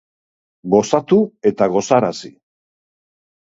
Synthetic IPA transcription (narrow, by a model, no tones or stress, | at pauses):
ɡo̞sat̪ue̞t̪aɣ̞o̞saɾasi